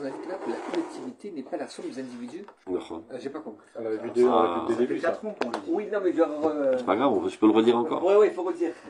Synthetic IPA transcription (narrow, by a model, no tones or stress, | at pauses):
ɔ̃nad̪ik̪lɛkəlakɔlɛk̚t̪ʰivit̪enɛpalasɔ̃d̪ezɛ̃d̪ivid̪yfɔ̰ʒepakɔ̃ky̥alaved̪ea̰ed̪ebykat̪χɔ̃kɔ̃ʒd̪iwinɔ̃mɛʒɔʁʁəsɛ̥paɡʁavɔ̃ʒə̥pøləʁəd̪iʁɑ̃kɔ̰ʁwɛwɛilfoʁəd̪iːʁ